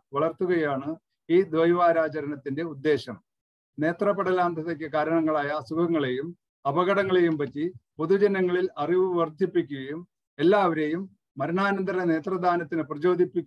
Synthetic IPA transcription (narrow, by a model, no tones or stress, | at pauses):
ʋɐɭɐrt̪ːuɣɐjaːɳɨ | iːd̪ʋɐjʋaːɾaːt͡ɕɐɾɐɳɐt̪ːinde̞ud̪ːe̞ːɕɐm | ne̞ːt̪rɐpːɐɽɐlaːnd̪ʱɐðɐkʲːɨkaːɾɐɳɐŋːɐɭaːjɐsuɡɐŋːɐɭe̞jum | ɐbɐɣɐɽɐŋːɐɭe̞jumpɐtːipo̞ðud͡ʑɐnɐŋːɐɭilɐriʋɨʋɐrd̪ʱjipːikʲːuɣɐjum | e̞lːaːʋɐɾe̞jumː | ɐɾɐɳaːnɐnd̪ɐɾɐne̞ːt̪rɐd̪ʱaːnɐt̪ːinɨprɐt͡ɕo̞ːd̪ʱipːikʲː